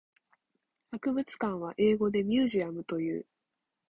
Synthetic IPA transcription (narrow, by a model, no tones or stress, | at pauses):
hakɯ̟bɯ̟t͡sɨ̥kãɰ̃β̞aʔe̞ːɡo̞d̪e̞mʲjɨːʑiamɯ̟t̪o̞jɯ̟̰ː